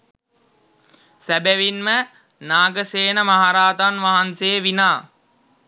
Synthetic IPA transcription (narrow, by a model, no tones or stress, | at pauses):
sæbæʋinmə | naːɡəseːnəmaɦaɾaːt̪anʋaɦansejəʋinaː